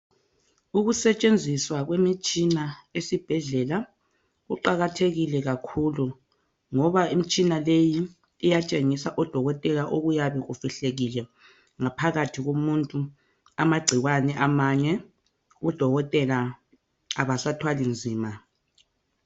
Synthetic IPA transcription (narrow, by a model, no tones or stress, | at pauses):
uɣusɛt͡ʃʼend͡zʱiswaɣwemit͡ʃʼinaesib̥ʱɛɮɛla | ɣuǃaɣatʰeɣilɛɣakʰulu | ŋɔβaim̩t͡ʃʼinalejiː | jat͡ʃʼeŋisaʔɔd̥ʱɔɣɔtʼɛlaʔoɣujaβɛɣufiɬeɣilɛ | ŋapʰaɣatʰiɣomuntʼu | amaɡ͡ǀʱiɣwanɛʔamaɲɛ | ɣud̥ʱɔɣɔtʼɛlaː | βasatʰwalind͡zʱiːma